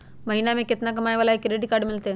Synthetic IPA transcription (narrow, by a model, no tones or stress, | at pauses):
mɐɦinamẽkɪt̪nakɐmaːjʋaːlaekːɾeɖikaːɾɖmɪlt̪e